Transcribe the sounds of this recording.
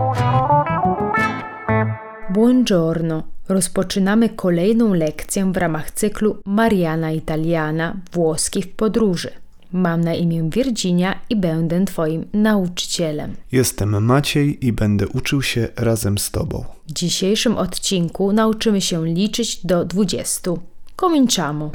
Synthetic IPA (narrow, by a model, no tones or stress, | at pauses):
bwɔnd͡ʐɔɾnɔɾɔspɔt͡ʂɘnamɘkʰɔlɛjnɔ̃w̃lɛkt̪sʲjɛvɾʔamaxt̪sɘklumaɾjanait̪alʲjanavwɔskʲifpɔd̪ɾuʐɘ | mamnaʔimʲjɛ̃vʲjɛɾd͡ʑiɲaibɛnd̪ɛt̪fɔjimnaut͡ʂɘ̥t͡ɕɛlɛ̰mjɛst̪ɛmːat͡ɕejibɛnd̪ɛʔut͡ʂɘwɕɛɾazɛmst̪ɔ̰bɔ̰̃w̃vd͡ʑiɕejʂɘmʔɔt̪t͡ɕiŋkunaut͡ʂɘmɘɕɛlʲit͡ʂɘd͡ʑd̪ɔd̪vud͡ʑɛ̰st̪ukɔmʲiɲt͡ʂamɔ